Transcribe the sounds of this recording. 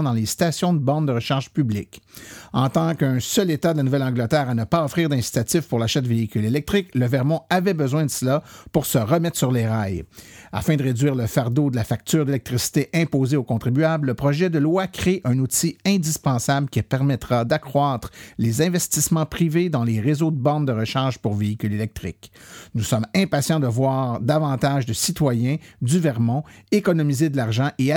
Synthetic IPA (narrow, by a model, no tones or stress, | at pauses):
d̪ɑ̃lesi̥t̪asjɔ̃d̪əbɑ̃d̪d̪əʁəʃaʁʒpyblɪ̰kɑ̃t̪ɑ̃kɛ̃sœlet̪ad̪əlanuvɛlɑ̃ɡlət̪ɛːʁanəpaɔfʁiːʁd̪ɛ̃si̥t̪at͡sɪfpʊʁlaʃɛt̪veikʲylelɛk̚t̪ʁɪkləvɛʁmɔ̃avɛbəzwɛ̃d̪əsəlapuʁsəʁəmɛt̪χsyʁleʁaja̰fɛ̃d̪əʁed͡zɥiːʁləfaʁd̪od̪əlafak̚t̪yːʁd̪elɛk̚t̪ʁisi̥t̪eʔɛ̃poːzeokɔ̃t̪ʁibyɥablːəpʁɔʒɛd̪əlwakʁeʔœ̃nut̪iɛ̃d̪ispɑ̃sablkʲipɛʁmɛt̪ʁad̪akχwaːt̪ʁlezɛ̃vɛst̪ismɑ̃pʁived̪ɑ̃leʁezod̪əbɑ̃d̪ːəʁəʃaʁʒpuʁveikʲylelɛk̚t̪ʁɪ̰knusɔmɛ̃pasjɑ̃d̪əvwaːʁd̪avɑ̃t̪aʒd̪əsit̪wajɛ̃d̪yvɛʁmɔ̃ekɔnɔmized̪əlaʁʒɑ̃ʔea